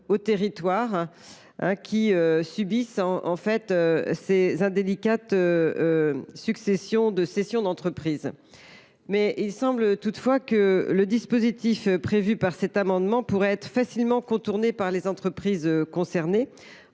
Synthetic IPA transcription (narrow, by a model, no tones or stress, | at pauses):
ot̪eʁit̪waʁ | ɛ̰̃kʲiøsybisɑ̃ʔɑ̰̃fɛt̪øsezɛ̃d̪elikat̪ø | syksesjɔ̃d̪əsɛsjɔ̃d̪ɑ̃t̪χəpχiːz | mɛilsɑ̃blət̪ut̪fwakələd̪ispozit̪ifpχevypaʁsɛt̪amɑ̃d̪mɑ̃puʁɛɛt̪χəfasilmɑ̃kɔ̃t̪uʁnepaʁlezɑ̃t̪χəpχizøkɔ̃sɛʁne